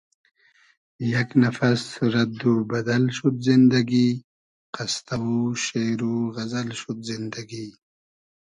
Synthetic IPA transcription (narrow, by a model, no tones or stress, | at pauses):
jaknafasɾad̪ubad̪alʃut̪zind̪aɡi | qast̪awuʃeɾuɣɐzalʃut̪zɪnd̪aɡi